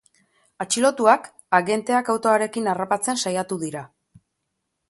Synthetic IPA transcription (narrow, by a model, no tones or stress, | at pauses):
at͡ʃilo̞t̪uak | aɣe̞nt̪e̞akawt̪o̞aɾe̞kinarapat͡se̞nsajat̪uðiɾa